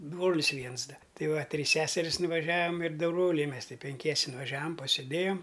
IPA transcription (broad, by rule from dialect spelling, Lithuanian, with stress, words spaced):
ˈbroːlʲɪs ˈʋʲiɛns ˈdɐ ˈtʲɪ ˈʋɐ ˈtʲrʲiːs ˈsʲæːsʲɛrʲɪs nʊʋɐˈʒʲæːʋɐm ɪr ˈdʊ ˈbroːlʲɛɪ ˈmʲɛs ˈtʲɪ pʲɛŋʲˈkʲiɛsʲɛ nʊʋɐˈʒʲæːʋɐm pɐsʲeːˈdʲeːjoːm